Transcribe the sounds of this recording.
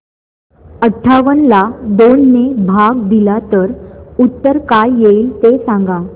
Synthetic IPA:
əʈʰːaʋənlad̪onːebʱaɡd̪ilat̪əɾut̪ːəɾkajjeiːlt̪esãŋɡa

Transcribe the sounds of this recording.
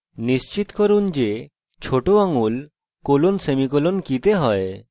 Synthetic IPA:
nist͡ʃit̪kɔɾund͡ʒe | t͡ʃʰoʈoaŋul | kolonsemikɔlonkit̪eɦɔe

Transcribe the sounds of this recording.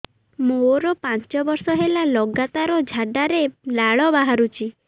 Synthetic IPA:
moɾɔpant͡ʃɔbɔɾsɔɦelalɔɡat̪aɾɔd͡ʒʱaɖaɾelaɭɔbaɦaɾut͡ʃʰi

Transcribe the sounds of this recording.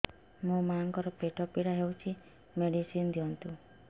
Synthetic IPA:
mũmaŋkɔɾɔpeʈʰɔpiɽaɦewt͡ʃʰi | meɽisind̪iɔnt̪u

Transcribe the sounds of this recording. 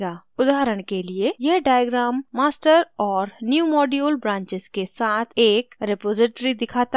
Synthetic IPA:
ɡaʊd̪aːɦɾəɽ̃keliejɐɦɖaːjɡɾaːmːaːsʈəɾɔːɾnjuːmɔːɖijuːlbɾãːɲt͡ʃɪz̥kesaːt̪ʰeːkɾepoːd͡ʒɪʈɾid̪ɪkʰaːt̪a

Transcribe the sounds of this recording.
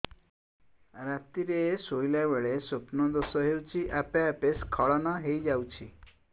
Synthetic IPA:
ɾat̪iɾeːsojlabeɭesopnɔd̪osɔɦewt͡ʃʰiʔapeapeskʰɔɭɔnɔɦejd͡ʒawt͡ʃʰi

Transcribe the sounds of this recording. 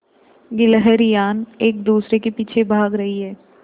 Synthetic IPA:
ɡɪləɦɛɾjaːneːk̚d̪uːsɾekepiːt͡ʃʰebʱaːɡɾɐɦiɦɛː

